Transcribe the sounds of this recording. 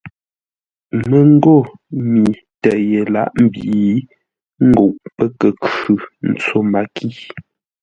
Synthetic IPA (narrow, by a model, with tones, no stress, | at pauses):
mə˦˨ŋ̩˦ɡo˦˨mi˨ | tɛ˨ʔje˨la̰˦˨ʔm̩˦˨bi˨i˨ | ŋ̩˦ɡo˨ʔpə˦kə˨kʉ˨n̩˨t͡so˦˨ma˨kʰi˦˨